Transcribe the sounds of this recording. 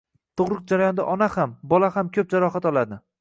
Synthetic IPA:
t̪ʰoʁɾɨq̚d͡ʒaɾajɒnd̪a̰ʔɒnahambɒlahamkʲʰɵp̚d͡ʒaɾɒχat̪ɒlˠad̪ɪ

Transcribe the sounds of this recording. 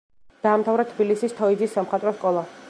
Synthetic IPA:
d̪̥aːmt̪ʰavɾat̪ʰbilisist̪ʰɔid̪zisːamχat̪ʼɾɔskʼɔlˠa

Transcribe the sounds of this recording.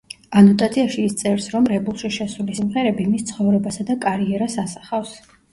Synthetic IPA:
anɔt̪ʼat̪sʰiaʃiːst̪sʼɛvɾsɾɔmɾɛbulˠʃiʃɛsulisimʁɛɾɛbimist̪sʰχɔvɾɛbasad̪akʼaɾiɛɾasasḁχafs

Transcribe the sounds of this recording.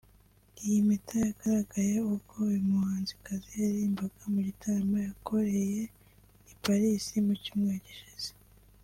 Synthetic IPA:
ijimitʰajaɡaɾaɡajeukoimuhaːnzikazijaɾiːmbaɡ̥amuɾitʰaamajako̞ɾe̞je | ipaɾisimucuːmŋeɟiʃiz̥e̥

